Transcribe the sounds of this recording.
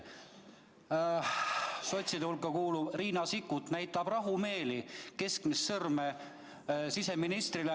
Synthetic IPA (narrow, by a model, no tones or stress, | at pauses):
so̞t̪ʲsid̪ulkːɑkuːlub̥riːnɑsikːut̪næjt̪ːˑɑb̥rɑɦume̞ːlike̞skmisːɤrme | sise̞minist̪rile